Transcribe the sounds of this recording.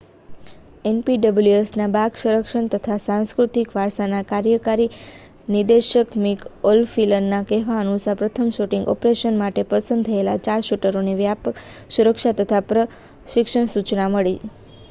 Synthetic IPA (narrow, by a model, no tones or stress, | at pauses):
enpiɖəbljuesnabaɡʃəɾəkʃəɳt̪ət̪ʰasãnskɾut̪ikʋaɾsanakaɾjəkaɾi | nid̪eʃəkmikolfilənːakɛɦʋaənusapɾət̪ʰəmʃuʈĩŋɡɔ̰pɾeʃənmaʈepəsə̃nd̪̚t̪ʰəelat͡ʃaɾʃuʈəɾoneʋjapə | suɾəkʃat̪ət̪ʰapɾə | ʃɪkʃəɳsut͡ʃnaməɭi